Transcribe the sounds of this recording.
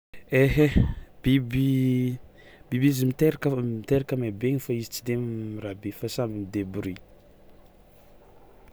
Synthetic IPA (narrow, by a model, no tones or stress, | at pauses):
eɦeb̥ibi | b̥ibizimit̪eɾakəmit̪eɾakəmabeɲifaizi̥t͡sid̪emiɾabefasambinid̪ebɾi